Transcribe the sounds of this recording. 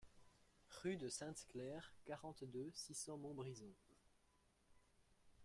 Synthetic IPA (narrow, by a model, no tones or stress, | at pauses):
ʁyd̪əsɛ̃t̪klɛʁkaʁɑ̃t̪d̪øsisɑ̃mɔ̃bʁizɔ̃